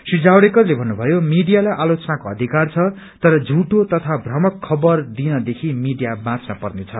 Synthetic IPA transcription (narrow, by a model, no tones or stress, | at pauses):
sid͡zawɽekʌrlebʱʌnːubʱʌjomiɖijalajʔalot͡sʌnakoʌd̪ʱikart͡sʰʌ | t̪ʌɾʌd͡zʱuʈot̪ʌt̪ʰabʱrʌmʌkʰːʌbʌrd̪inʌd̪ekʰimiɖijabãt͡snʌpʌrnet͡sʰʌ